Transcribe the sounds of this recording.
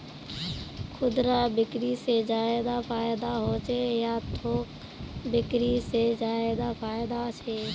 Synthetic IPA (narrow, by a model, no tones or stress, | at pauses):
kʰʊd̪ɾabɪkɾised͡ʒaːɪd̪apʰaːɪd̪aɦot͡ʃʰejat̪ʰoːk | bɪkɾised͡ʒaːed̪apʰaːjɪd̪at͡ʃʰeː